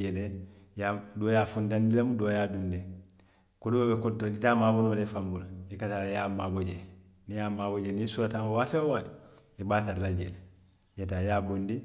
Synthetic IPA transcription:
edejadoːjaːfundandilemudoːjaːdunde | kodubabekontːold͡ʒitaːmaːbonolefambulaikataːjaːmaːboɟe | nijaːmaːboɟenĩsuɾatãŋwaːteowaːti̥ | ibaːtaɾilad͡ʒḛle | jetajaːbondi

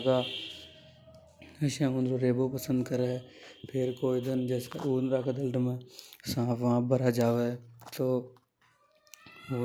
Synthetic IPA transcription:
kaː | əʃãːɦʊ̃nd̪ɾoːɾeːboːpəsə̃nd̪kəɾeɛːpʰɪɾkoːid̪ɪnd͡ʒɛːska̰uːnɾaːkad̪əlʈmẽːsãːfʋãːbəɾaːd͡ʒaːʋeːt̪oː | oː

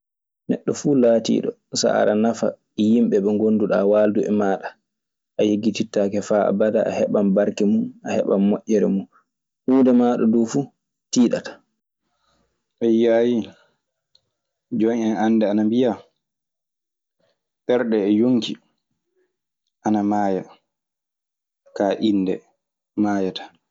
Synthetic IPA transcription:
nɛ̰ɗːɔfuːlaːtḭːɗɔ̰ | sa̰a̰ɾanafa̰ | jimɓɛɓɛŋɡonduɗaːwaːlduʔɛ̰maːɗa | ʔajeɡːititːakɛfaːa̰badaʔa̰hɛɓambaɾkɛmunʔahɛ̰ɓamːɔʔːɛɾɛmun | ʔuːndɛmaːɗɔdoːfuː | tiːɗatḁ | ʔɛjaːji | d͡ʒɔnɛnandɛanambija | ɓɛɾɗɛːjoŋki | ʔanamaːja | kaːʔindɛ | maːjatḁ

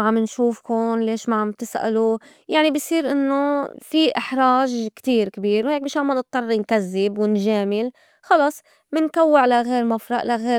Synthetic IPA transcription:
ʕamɪnʃuːfkʊnleːʃmaʕamt̪ɪsʔa̰lu | jaʕnibisˤiːɾʔɪnːofiʔɪħɾˤɑːʒkt̪iːɾkɪbiːɾwheːk̚bɪːʃamːanɨt̪ˤːɑrˤːɪnkazːɪbwɪnʒeːmɪl | xɑlɑsˤ | mɪnkawːɪʕlaɣeːɾmafɾɑʔlaɣeː

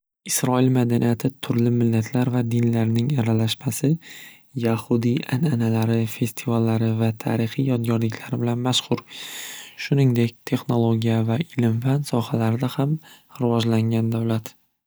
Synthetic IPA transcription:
ɪsɾɒɪlmad̪anijat̪ʰɪt̪ʰʊɾlɪmɪlːat̪ʰlaɾvad̪ɪnlaɾnɪŋaɾalaʃmasɪ | jahʊd̪iʔananalaɾɪfe̞st̪ʰɪvalːaɾɪvat̪ʰa̰ɾɪχijɒt̪̚ɡʲɒɾlɪkʲʰlaɾɪbɪlanmaʃqʊɾ | ʃʊnɪŋd̪e̞kʲt̪ʰe̞χno̞lˠoɡʲijavaɪlɪmfansɒhalaɾɪd̪ahamɾɪvɒʒlaŋɡʲand̪awlat̪

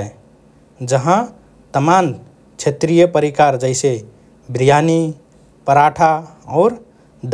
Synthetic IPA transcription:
d͡ʒəɦã | t̪əman | t͡ʃʰet̪ɾijəpəɾikaɾd͡ʒəɪse | bɾijani | pəɾaʈʰa | ɔːɾ | d̪

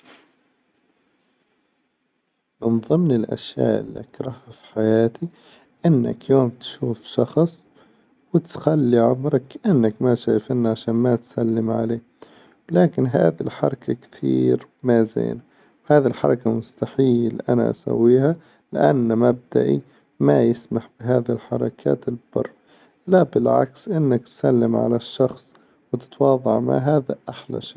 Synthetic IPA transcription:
mɪnðˤɨmnɪlʔa̰ʃja̰ːʔɪ̰liʔakɾˤɑhafi̥ħajaːt̪ʰi | ʔɪnːɪ̰kjoːmt̪ʃuːfʃɑxsˤ | wɪt̪xalːiʕʊmɾɑkːʔanːakmaʃaːjfʔɪnːaʕaʃaːnmat̪salːɪmʕa̰leː | wlaːkɪnɦa̰ːðilħɑɾˤɑkʰakt̪ʰḭːɾmazḛːna | whaːðilħɑɾˤɑkamʊst̪aħiːliʔana̰ʔa̰sa̰wːiːha | lɪʔa̰nːamab̚d̪a̰ʔḭ | majɪsmaħbɪɦaːðɪlħɑɾˤɑkʰa̰ːt̪ɪlb̥ɑ̰rˤː | labɪlʕa̰ksʔɪnːak̚t̪salːɪmʕa̰laʃːɑxsˤ | wɪt̪ɪ̥t̪wɑːðˤɑʕma̰ʕɦaːða̰ʔaħla̰ʃeː

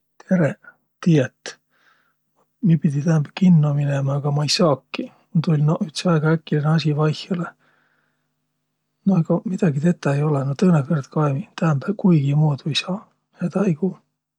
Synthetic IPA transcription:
t̪ʰe̞ɾe | t̪ːiːjet̪ː | miepid̪ʲit̪æhæmbækinːominemɑːɡ̥ɑmɑjsɑːkːi | mut̪ulʲnoyht̪sɑeɡ̥ɑækːˑilenɑsʲivɑjhjɑle | noeɡ̥ɑmid̪̥ɑɡit̪e̞t̪ːˑɑejo̞lenot̪ɤːnekɤrd̪̥kɑemit̪æmbækuiɡimuːd̪ujsɑː | heːd̪ɑjɡu

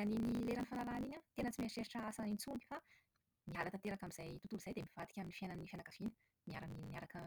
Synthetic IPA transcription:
aninileɾanifanaɾaniɲət̪enət͡simeʂeɾiʈ͡ʂaasanint͡suni̥fa | miɦalat̪at̪eɾakamiz̥ajt̪ut̪uluz̥ajd̪emiv̥at̪i̥kʲaminifiananifanakav̥inə̥ | mia̰ɾamninniaɾakə

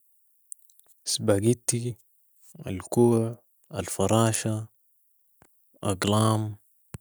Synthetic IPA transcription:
sbaɡit̪ːi | a̰lkuːʕ | alfɑɾˤɑːʃa | ʔa̰ɡlɑːm

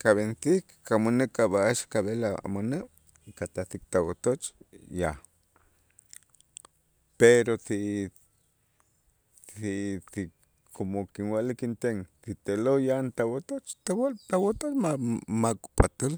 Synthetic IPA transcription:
kaβenθikː | amonekaβaaʃkaβelaa̰moneʔ | kat̪aθik̚t̪awat̪ot͡ʃja | peɾot̪i | iti | kʰomokinwalikint̪eŋt̪it̪elojant̪awat̪ot͡ʃt̪awat̪awat̪ot͡ʃmamakʼpʼat̪ol

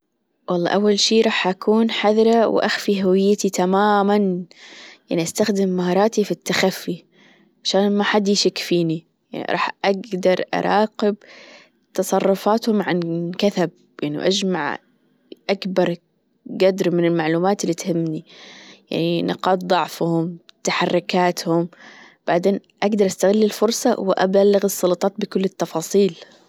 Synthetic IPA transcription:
wɑlˤːɑ̰ːʔawːalʃiːɾˤɑːħʔakʰuːnħaðɾˤɑwʔaxfiɦʊwɪjːɪt̪it̪amaːman | jaʕniʔast̪axd̪ɪmːahɑːɾˤɑːt̪ifit̪ːaxafːi | ʕaʃaːnmaħad̪ːiʃɪkːfiːni | ja̰ʕnḭɾˤɑ̰ːħʔaɡd̪ɑɾˤʔɑ̰ɾˤʔɑːqɪb | t̪ɑsˤɑrˤːʊfaːt̪hʊmʕankaθab̚ | jaʕnḭwʔad͡ʒmaʕ | ʔakbɑɾˤ | ɡad̪ɾmɪnɪlmaʕluːmaːt̪ɪlːiːt̪hɪmːnija̰ʕninɪ̰qɑːt̪̚ðˤɑʕfhʊmt̪aħarˤːʊkaːt̪hʊm | b̥aʕd̪eːnʔaɡd̪ɑɾˤʔast̪aɣɪlːɪlfʊɾˤsˤɑwɪʔa̰balːaɣɨsˤːɑlɑt̪ˤɑːt̪̚bɪkʊlːɪt̪ːɑfɑːsˤiːl

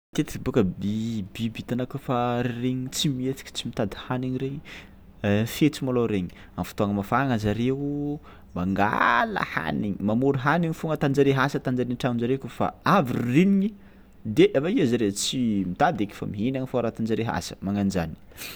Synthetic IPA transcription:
t̪et̪i̥kibukəbibibit̪anakufaɾreɲit͡simiet̪i̥kʲi̥t͡simit̪ad̪ihaniɲiɾeɲi | fet͡simaloɾeɲi̥ | amfu̥t̪oaŋəmafaŋazaɾeu | maŋɡa̰lə̰ha̰niɲimamuɾiɦaniɲifuŋət̪and͡ʒaɾeɦasət̪and͡ʒaɾenʈ͡ʂamnzaɾekufa̰aviririniɲi | d̪eʔavaiazaɾet͡simit̪ad̪ekʲi̥fa̰miɦinaɲifoaɾat̪and͡ʒaɾeɦa̰sə̥maŋand͡ʒani̥

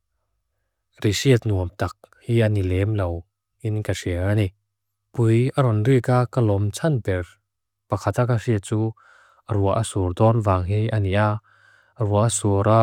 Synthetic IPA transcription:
risiət̪̚nuəmt̪ak̚hianilɛmlow | ʔinkasiəani | pujaɾɔnrikakalɔmt͡sʰanpɛr | pɐkʰat̪akasiət͡suː | aɾuaʔasuɾd̪ɔnvaːŋɦiʔaniʔa | ɾuaʔasuɾa

